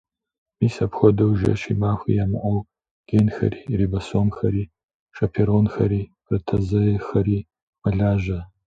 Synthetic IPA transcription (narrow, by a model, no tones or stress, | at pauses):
miːsɐpxʷɔdɨwʒɐ̰ʃḭmaːxʷḭjamɨʔʷɐw | ɡ̥enxɐ̰riːribɐsomxɐɾiː | ʂɐpʰeɾonxɐɾiː | rɨtʰɐzɐjxɐɾiː | mɐɮaːʒʷɐ